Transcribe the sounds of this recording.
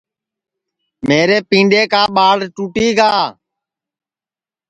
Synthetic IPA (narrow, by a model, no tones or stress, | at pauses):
meːɾeːpĩːɳɖeːkaːɓaːɽʈuːʈiːɡaː